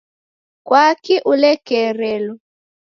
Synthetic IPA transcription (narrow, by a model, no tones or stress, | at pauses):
kwakiʔulɛkɛɾɛlɔ